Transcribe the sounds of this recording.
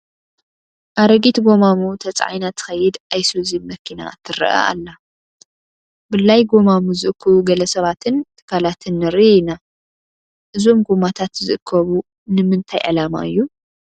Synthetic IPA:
ʔaɾɐɡit̪ɡo̞mamut̪ʰɐt͡sʼʕa̰jnat̪ʰɨ̥xɐjːɪd̪ʔajsuzimmɐkʰina̰t̪ʰːɨrɐ̰ʔa̰a̰lːa | bɨlːajɡo̞mamuzɨʔɨkʰːɨβuɡɐlɐsɐβat̪ʰɨnt̪ʰɨ̥kʰalat̪ʰɨnːɨɾiina | ʔɨzomɡomat̪ʰat̪zɨʔɨkʰːɐβu | nɨmɨnt̪ʰajʕɨlama̰ʔɨjːu

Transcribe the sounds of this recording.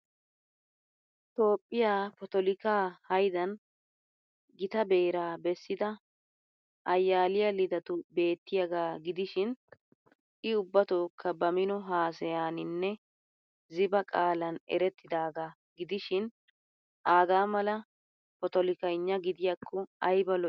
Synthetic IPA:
t̪o̞ːpʼːɪjaːpɔt̪ɔlɪkaːhɐjd̪ɐn | ɡɪt̪ɐbe̞ːɾaːbɛsːɪd̪ɐ | ʔɐjːaːlɪjɐlɪd̪ɐt̪ʊbe̞ːt̪ːɪjɐɡaːɡɪd̪ɪʃɪn | ʔɪʊbːɐt̪oːkʰːɐbɐmɪnɔɦaːsɛjaːnɪnːɛ | zɪbɐkʼaːlɐnɛ̰ɾɛt̪ʰːɪd̪aːɡaː | ɡɪd̪ɪʃɪn | ʔaːɡaːmɐlɐ | pɔt̪ɔlɪkɐɪɲːɐɡɪd̪ɪjakʰːɔɐjbɐl

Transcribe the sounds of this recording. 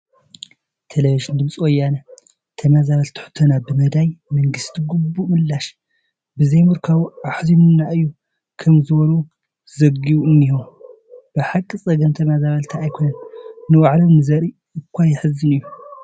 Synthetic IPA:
t̪ʰelɐviʒɨnd̪ɨmsʼwojːana | t̪ʰɐmazaβɐlt̪ʰɨ̥ħʊ̥t̪ʰonabɨmɐd̪ajmɐŋɡɨst̪ʰiɡubːuʔmɨlːaʃ | bɨzɐjmuɾkʰaβaħzimunːaʔɨjːu | kʰɐmzɨβonu | zɐɡiuɨnːihom | b̥ɨħakʼːɨsʼɐɡɐnt̪ʰɐmazaβɐlt̪ʰaːjkʰonɐnnɨwaʕlomnɨzɐɾi | ɨkʷʰːajɪħɨzːɨnɨjːu

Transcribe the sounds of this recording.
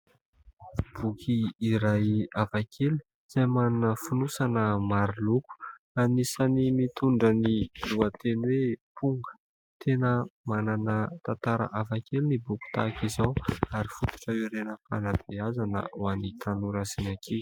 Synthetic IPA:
b̥ukʰiːɾajavakʰelu̥ | z̥ajmananəfunusanəmaɾiluku̥ | anisanimit̪uɳɖ͡ʐəniluat̪enwepʰuŋɡə̥ | t̪ʰenəmananət̪ant̪aɾə̰ʔavakelinibuku̥t̪a̰kizawaɾifut̪u̥ʈ͡ʂəiɾenəpanab̥eazanə̰wanit̪ʰanuɾasinakʰe

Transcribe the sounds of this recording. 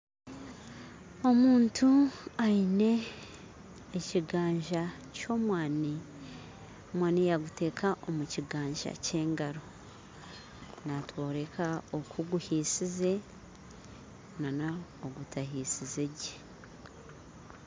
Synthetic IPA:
o̞muːntʰuaine̞ | ciɡaːɲʒa | co̞mwaːni | mwaːnijaɡute̞ːkʰaʔomuciɡaːɲʒa̰ce̞ːŋɡaɾo̞ | natwo̞ːɾe̞kʰaokʰuɡuhiːsize̞ | nanaoɡutaɦiːsizeɟe̥

